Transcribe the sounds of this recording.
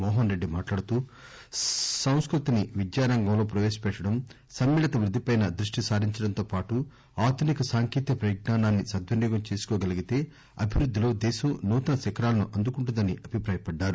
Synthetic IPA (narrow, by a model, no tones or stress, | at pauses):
mɔːɦɐnɾe̞ɖːimaːʈlaːɽut̪uː | sɐw̃skɾut̪iniʋid̪jaːɾɐŋɡɐmlo̞ːpɾɐʋeːsɐ̥pɛʈːɐɽɐm | sɐmːiːlɐt̪ɐʋɾud̪ʱːipɐjnɐd̪ɾuʂʈisaːɾiɲt͡ʃɐɽɐnt̪o̞ːpaːʈu | aːd̪ʰʱunikɐsaːŋkiːt̪ikɐpɾɐjɡnaːnaːnːisɐd̪ʋɐnjɔːɡɐmt͡ʃeːsu̥kɔːɡɐliɡit̪e̞ː | ɐbʱiʋɾud̪ʱːilo̞ːd̪ɛːsɐmnuːt̪ɐnɐsikɐɾaːlɐnuʔɐnd̪ukuɳʈ̬und̪ɐniɐbʱipɾaːjɐpɐɖːaːɾu